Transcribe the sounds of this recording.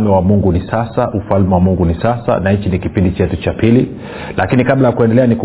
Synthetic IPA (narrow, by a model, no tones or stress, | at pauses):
mɛwamuŋɡunisasaʔufalmɛwamuŋɡunisasa̰nait͡ʃinikipindit͡ʃɛtut͡ʃapili | lakinikablajakuɛndɛlɛaniku